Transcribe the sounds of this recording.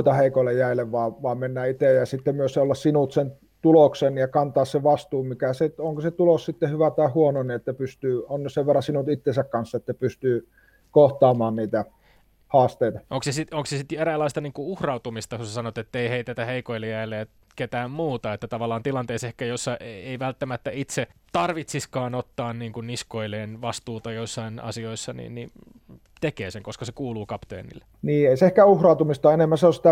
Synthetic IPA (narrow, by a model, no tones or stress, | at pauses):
it̪ɑheikoĭlːejjæilːˑeʋʋɑːʋɑːmmenːæːit̪eˑjjɑsit̪ːemmyøseolːɑssinut̪sen | t̪uloksenjɑkɑnt̪ɑːsseʋɑst̪uːmmikæset̪oŋkoset̪ulossit̪ːehyʋæt̪ɑihuononiet̪ːæpyst̪yːonːseʋʋerːɑsinut̪it̪ːensækkɑnsːet̪ːæpyst̪yː | koht̪ɑːmɑːnniːt̪æ | hɑːst̪eˑit̪ɑʔoŋksesit̪oŋksesit̪eɾælːɑist̪ɑniːŋkuuhrɑut̪umist̪ɑkusɑsɑnot̪et̪ːeiheit̪æt̪æheikoilːejæilːˑeæ | ket̪æːmmuːt̪ɑet̪ːæt̪ɑʋɑlːˑɑːnt̪ilɑnt̪eːsehkæjosːɑeeiʋælt̪ːæmæt̪ːæit̪set̪ɑrʋit̪siskɑːnot̪ːɑːnniːŋkunniskoileːnʋɑst̪uːt̪ɑjoisːɑinɑ̰sioisːɑnḭːnni | t̪ekeːseŋkoskɑsekuːluːkɑpt̪ḛːnḭlːe̥niːeiseehkæuhrɑˑut̪umist̪ɑenemːæseosit̪æ